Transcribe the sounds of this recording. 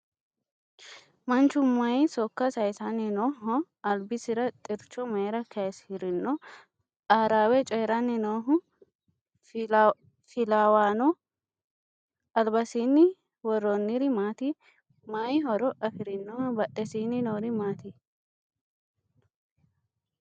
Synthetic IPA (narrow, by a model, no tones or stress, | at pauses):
mɐnt͡ʃːʊmɐjsɔkːɐsɐjsɐnːɪnɔːɦɔ | ɐlbɪsɪɾɐt̪ʼɪɾt͡ʃːɔmɐjɾɐkʰɐshɪɾɪnːɔ | aːɾaːwɛt͡ʃʼɛːɾɐnːɪnoːɦʊ | fɪlaːwaːnɔ | ɐlbɐsiːnːɪ | wɔɾɔnːɪɾɪmaːt̪i | majɦɔɾɔʔɐfɪɾɪnːɔbɐʔɛsiːnːɪnoːɾɪmaːt̪i